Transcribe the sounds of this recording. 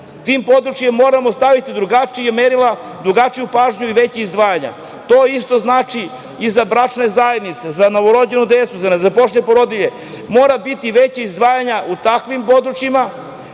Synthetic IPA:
t̪impo̞d̪ɾut͡ʃijemːo̞ːɾamo̞st̪aʋit̪id̪ɾuɡat͡ʃijameɾila | d̪ɾuɡat͡ʃijupaːʒɲuiʋet͡ɕeizd̪ʋaːjaɲa̰ | t̪o̞ːist̪o̞znaːt͡ʃi | izabɾat͡ʃne̞zaje̞d̪nit̪sezano̞ʋoɾo̞d͡ʑenud̪eːtsuzazapoʃɲepoɾo̞d̪iʎe | mo̞ːɾabit̪iʋet͡ɕaizd̪ʋaːjaɲaut̪akʋimpo̞d̪ɾut͡ʃima

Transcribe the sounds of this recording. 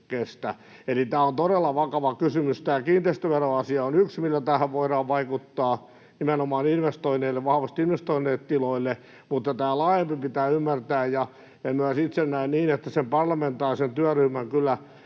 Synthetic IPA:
kest̪æ | elit̪æːont̪oɾelːɑʋɑkɑʋɑkysymyst̪æːkiːnt̪eist̪øʋeroɑsiɑonyksmilːæt̪æhæʋʋoiɾɑːʋʋɑikut̪ːɑː | nimenomɑːninʋest̪oineːlːeʋʋɑhɑʋɑst̪inʋest̪oinːˑeːt̪t̪iloilːe | mut̪ːɑt̪æːlɑːjempipit̪æːymːært̪æːjjɑ | emmyæsit̪sennæinniːnet̪ːæsempɑrlɑment̪ɑːrisent̪yæryhmæŋkylːˑæ

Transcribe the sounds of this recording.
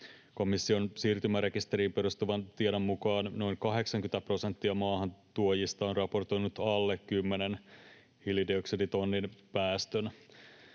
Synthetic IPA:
ko̞misːio̞nsiːrt̪ymæɾe̞kist̪e̞ɾiːmpe̞ɾust̪uʋɑnt̪iedomːukɑːnno̞jŋkɑɦe̞ksɑŋkyt̪æpro̞sent̪ːiɑmɑːɦɑnt̪uojist̪ɑonrɑpo̞rt̪o̞jnut̪ɑlːekkymːenen | hilidioksidit̪o̞nːinpæːst̪øn

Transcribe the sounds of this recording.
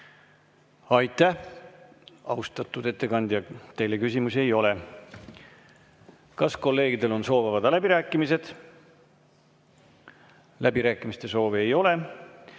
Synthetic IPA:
ɑjt̪ːˑæh | ɑust̪ɑt̪ːˑud̪̥e̞t̪ːe̞kɑnd̪̥jɑt̪e̞jle̞kysʲimusie̞jo̞le̞ | kɑsko̞lːe̞ːɡid̪e̞lo̞nso̞ːvɑvɑd̪̥ɑlæbiɾæːkːˑimise̞d̪̥ | læbiɾæːkːˑimist̪e̞so̞ːveejo̞le̞

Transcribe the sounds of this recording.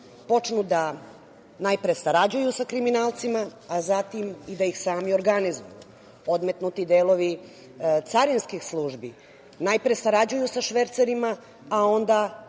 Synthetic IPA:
po̞t͡ʂnud̪a | najpɾesaɾad͡ʑujusakɾiminaːlˠt̪simaːzat̪imid̪ajixsaːmio̞ɾɡanizṵjṵ | o̞d̪me̞t̪nut̪id̪eːlˠo̞ʋi | t̪saɾinskixslˠuːʒbi | najpɾesaɾad͡ʑujusaʃʋeɾt̪seɾimaː | o̞nd̪a

